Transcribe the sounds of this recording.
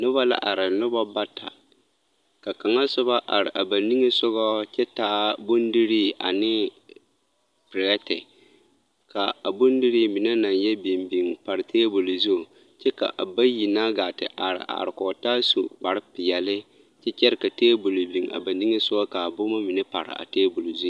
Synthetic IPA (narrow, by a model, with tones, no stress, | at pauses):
nʊ˦βa˦la̰˦ʔa˨ɾɪ˨nʊ˦ba˦ba˦tʰa̰˨ | ka˨ka˨ŋa˦sʊ˦ba˦ʔa˨ɾɪ̰˨ʔa˨ba˨ni˦ŋe˦sʊ˦ɣɔ˦t͡ʃɛ˦taː˦bʊ˦ndi˦ɾi˦a̰˨nɪ˦ | pɪ˨ɾɛ˦tɪ˨ | ka˨a˨bʊ˦n˦di˦ɾi˦mi˨na˦na˨njɛ˦bi˨mbi˨ŋpa˨ɾɪ˨tʰeː˦bo˨lo˨zu˦˨ | t͡ʃɛ˦ka̰˨ʔa˨ba˦ji˨naː˦ɡaː˨tɪ̰˨ʔa˨ɾɪ̰˨ʔa̰˨ɾɪ˨kɔ˨ta˦su˨ba˨ɾɪ˦pɪ˨jɛ˨lɪ˦ | t͡ʃɛ˦t͡ʃɛ˦ɾɪ˨ka˨teː˦bʊ˨lo˨bi˨ŋa̰˨ba˨ni˦ŋe˦sʊ˦ɡɔ˦ka˨bo˦ma˦mɪ˨nɛ˦pa̰˨ɾɪ̰˨a̰˨teː˦bʊ˨lu˨zu˦˨